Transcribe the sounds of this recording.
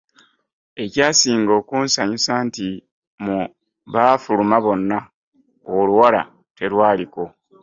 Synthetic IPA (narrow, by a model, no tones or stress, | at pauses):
e̞caːsiːŋɡo̞ːkuːnsaɲusaːnti | mu | βafulumaβo̞nːa | oluwala̰ | te̞ɾwaːliko̞